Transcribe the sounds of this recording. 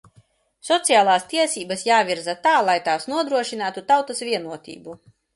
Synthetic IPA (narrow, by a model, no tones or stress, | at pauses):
sɔt̪sijaːlˠaːst̪iɛsiːbɐsjaːvʲiɾzat̪aːlˠajt̪aːsnuɔd̪ɾuɔʃinaːt̪ut̪awt̪asvʲiɛnuɔt̪ʲḭːbu